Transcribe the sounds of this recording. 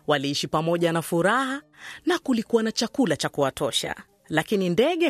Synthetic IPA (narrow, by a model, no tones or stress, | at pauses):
waliiʃipamɔʄanafuɾahanakulikuwanat͡ʃakulat͡ʃakuwatɔʃa̰ | lakinindɛɠɛ